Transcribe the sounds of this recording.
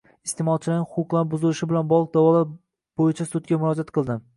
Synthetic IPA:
ɪst̪emɒlˠt͡ʃʰɪlɪɪhʊqʊqlˠaɾbʊzɪlɪʃɪbɪlanbɒlˠɨq̚d̪awɒlˠa | b̥ojɪt͡ʃʰasʊt̪̚kʲamʊɾɒd͡ʒat̪qʰɨlˠd̪ɪ

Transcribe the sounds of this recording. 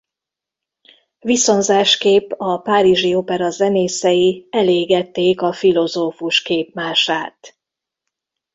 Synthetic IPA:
ʋiso̞nzaːʃkeːpːɒpaːɾiʒiopɛɾɒzɛneːsɛjiɛleːɡɛt̪ːeːkɒfilo̞zoːfuʃkeːpmaːʃaːt̪

